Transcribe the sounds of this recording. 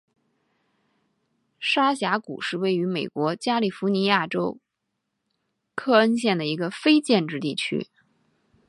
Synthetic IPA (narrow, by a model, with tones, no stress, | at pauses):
ʂa˥ɕja˧˥kṵ˨˩ʂɻ̩˥˧we˥˩ɪy˧˥me˨˩ɪkwɔ˧˥t͡ɕja˥li˨˩fu˧˥ni˧˥ja˥˩ʈ͡ʂo˥ʊ | kʰɤ˥˧ə˥nɕjɛ˥˩nd̪ə˩i˧˥ɡə˧fe˥ɪt͡ɕjɛ˥˧nʈ͡ʂɻ̩˥˧t̪i˥˩t͡ɕʰy̰˥